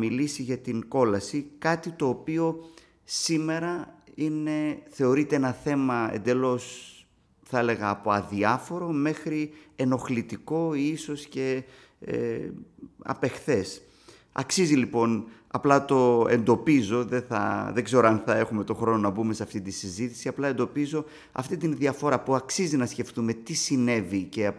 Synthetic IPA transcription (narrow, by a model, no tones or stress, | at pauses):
milisiʝɐt̪iŋko̞lɐsikɐt̪it̪o̞ːpio̞ | sime̞ɾɐine̞θe̞o̞ɾit̪eenɐθe̞mɐḛnd̪e̞lo̞s | θɐe̞le̞ɣɐːpo̞ɐðiɐfo̞ɾo̞me̞xɾie̞no̞xlit̪iko̞iso̞sce̞ | ḛ | ɐ̰pe̞xθe̞s | ɐ̰ksizilipo̞n | ɐ̰plɐt̪o̞e̞̰nd̪o̞pizo̞ðe̞θɐ̰ðe̞ɡze̞ɾoɐnθɐe̞xume̞t̪o̞xɾo̞no̞nɐbume̞seɐft̪it̪isizit̪i̥siɐplɐe̞nd̪o̞pizo̞ | ɐ̰ft̪it̪inðiɐfo̞ɾɐpuɐksizinɐsce̞ft̪ume̞t̪isine̞vice̞